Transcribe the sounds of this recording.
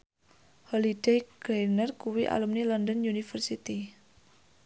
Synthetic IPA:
hɔlidejɡ̥ejnərkuwiʔa̰lumnilɔndɔnjunifərsit̪i

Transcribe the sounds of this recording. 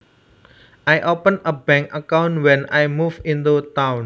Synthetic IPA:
ʔajʔopənəbɛ̃ŋkəkawnwɛnajmufĩnt̪ut̪awn

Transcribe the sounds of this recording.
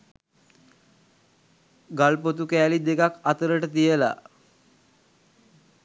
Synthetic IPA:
ɡalpot̪̬ukɛːlid̪ekakat̪əɾəʈət̪ijəla̰

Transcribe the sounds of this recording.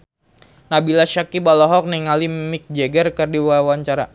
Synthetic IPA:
nabilaʃakibalɔɦɔk̚niŋalimɪk̚d͡ʒeɡərkərdiwawaɲt͡ʃaɾa

